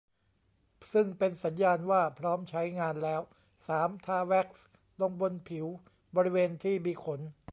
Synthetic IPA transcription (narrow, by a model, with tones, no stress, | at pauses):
sɯ˥˩ŋpe˧nsa˩˦njaː˧nwaː˥˩pʰɾɔː˦˥mt͡ɕʰa˦˥jŋaː˧nlɛː˦˥w | saː˩˦mt̪ʰaː˧wɛ˦˥k̚s | lo˧ŋbo˧npʰi˩˦w | bɔː˧ɾi˦˥weː˧nt̪ʰiː˥˩miː˧kʰo˩˦n